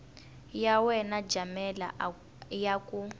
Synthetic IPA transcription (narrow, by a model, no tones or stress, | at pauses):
jawɛnad͡ʒamɛla̰ | jaku